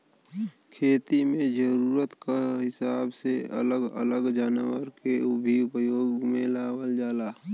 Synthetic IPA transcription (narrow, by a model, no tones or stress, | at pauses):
kʰeːt̪imẽd͡ʒəɾuːɾət̪kaɦɪsaːbseə̰ləɡə̰ləɡd͡ʒaːnwəɾkeʊbʱiʊpəjoːɡmẽlaːwəld͡ʒaːlaː